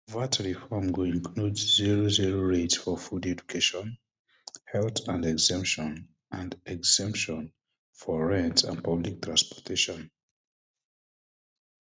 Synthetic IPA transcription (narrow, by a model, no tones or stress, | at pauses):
vatʰɹifɔmɡuĩŋkʰludziɹoziɹoɹetsfɔfudɛd͡ʒukʰeʃɔ̃n | hɛltʰãndɛɡzɛ̃mpʃɔ̃n | ʔãndɛɡz̥ɛ̃mpʃɔ̃n | fɔɹɛ̃ntʰã̰n̚pʰablik̚tʰɹãnspɔ̥tʰeʃɔ̃n